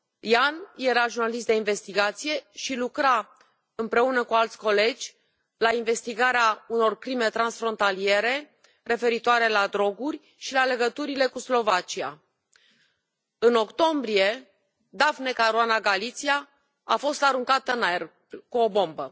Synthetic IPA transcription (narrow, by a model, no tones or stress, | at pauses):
janje̞ɾaʒurnalist̪d̪einve̞st̪iɡat̪sije̞ʃilukɾa | ɨmpɾe̞unəkualt̪sʲko̞le̞d͡ʒʲ | lainve̞st̪iɡaɾeauno̞rkɾime̞t̪ɾansfɾo̞nt̪alie̞ɾe̞ | re̞fe̞ɾit̪oaɾe̞lad̪ɾo̞ɡurʲ | ʃilale̞ɡət̪uɾile̞kuslo̞vat͡ʃia̰ | ɨno̞kt̪o̞mbɾije̞ | d̪avne̞kaɾuanaɡalit̪sia | afo̞st̪aɾuŋkat̪ənaer | kuo̞bo̞mbə